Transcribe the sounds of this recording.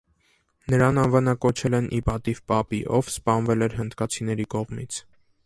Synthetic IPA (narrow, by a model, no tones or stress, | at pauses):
nəɾɑnɑnvɑnɑkɔt͡ʃʰɛlɛnʔḭpɑt̪ivpɑpiʔɔvspɑnvɛlɛɾɦənd̪kɑt͡sʰinɛɾikɔʁmit͡sʰ